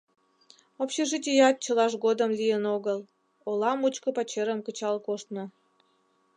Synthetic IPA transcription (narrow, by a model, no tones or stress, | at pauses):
opɕeʒit̪ʲijɑt̪̚t͡ɕəlɑʃɣod̪əmlʲijənoɣəl | olɑmut͡ɕkə̆pɑt͡ɕeɾəmkət͡ɕɑlkoʃt̪nŏ